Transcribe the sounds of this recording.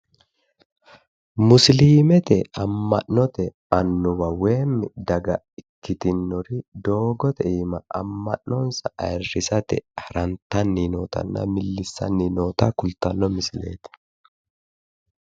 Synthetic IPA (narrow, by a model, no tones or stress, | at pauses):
mʊsliːmɛt̪ɛɐmːɐʔnɔt̪ɛ | ɐnːʊbɐweːmːɪd̪ɐɡɐ | ɪkːɪt̪ɪnːɔɾɪd̪o̞ːɡɔt̪ɛiːmɐʔɐmːɐʔnɔnsɐʔɐɛrːɪsɐt̪ɛ̰hɐɾɐnt̪ɐnːinoːt̪ɐ̰nːɐ̰mɪlːɪsːɐ̰nːinoːt̪ɐkʊlt̪ɐlːɔmɪslḛːt̪ɛ̥